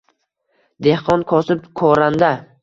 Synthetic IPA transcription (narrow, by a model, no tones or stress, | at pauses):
d̪ehqɒnkʰɒsɪpkʰɒɾand̪a